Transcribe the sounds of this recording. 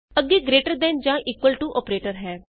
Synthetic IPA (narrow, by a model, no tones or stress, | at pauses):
əɡːeːɡɾeːʈəɾd̪ɛ̃nd͡ʒãːʔiːkwəlʈuʔɔːpɾeːʈəɾɦɛː